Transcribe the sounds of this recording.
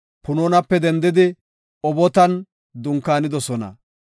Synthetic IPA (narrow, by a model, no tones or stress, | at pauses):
pʊnoːnɐpːɛd̪ɛnd̪ɪd̪ɪ | ɔbɔt̪ɐn | d̪ʊŋkːaːnɪd̪ɔsɔnɐ̰